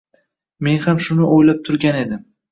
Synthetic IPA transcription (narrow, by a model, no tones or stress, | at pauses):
me̞nhamʃʊnɪʔojlap̚t̪ʰʊɾɡʲane̞d̪ɪm